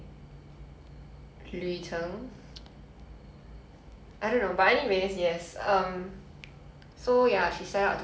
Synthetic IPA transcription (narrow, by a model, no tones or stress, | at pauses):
luitʰə̃ŋ | aɪjdõnːobaɛniwesjɛsʌ̃m | sojaʃisɛtaʊtʰ